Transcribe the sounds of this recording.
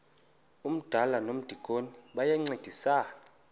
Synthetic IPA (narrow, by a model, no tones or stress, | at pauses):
um̩d̥ʱalanom̩d̥ʱiɡ̥ʱʼoniɓajɛŋ͡ǀed̥ʱisaːna